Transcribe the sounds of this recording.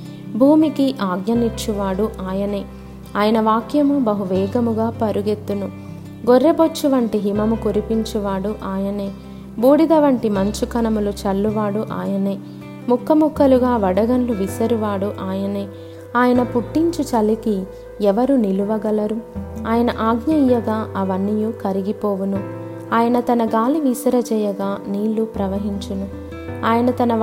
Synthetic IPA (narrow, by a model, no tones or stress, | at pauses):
bʱuːmikiʔaːɡnɐnit͡ʃːuʋaːɽuʔaːjɐneː | aːjɐnɐʋaːkjɐmubɐɦuʋɛːɡɐmuɡaːpɐɾuɡe̞t̪ːunu | ɡoɾːebot͡ʃːuʋɐɳʈiɦimɐmukuɾipiɲt͡ʃuʋaːɽuʔaːjɐne̞ː | buːɽid̪ɐʋɐɳʈimɐɲt͡ʃukɐnɐmulut͡ʃɐlːuʋaːɽuʔa̰ːjɐne̞ː | mukʰːɐmukʰːɐluɡaːʋɐɽɐɡɐnluʋisɐɾuʋaːɽuʔaːjɐneː | aːjɐnɐpuʈːiɲt͡ʃut͡ʃɐlːiki | ɛʋɐɾuniluʋɐɡɐlɐɾuaːjɐnɐʔaːɡɲɐijɐɡaːɐʋɐnːijukɐɾiɡipoːʋunu | aːjɐnɐt̪ɐnɐɡaːliʋisɐɾɐd͡ʒɛːjɐɡaːniːlːupɾɐʋɐɦiɲt͡ʃɐnu | aːjɐnɐt̪ɐnɐ